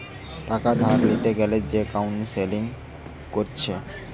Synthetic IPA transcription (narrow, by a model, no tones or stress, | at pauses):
ʈakad̪ʱaɾlit̪eɡɛled͡ʑekawnseliŋ | koɾt͡ɕʰe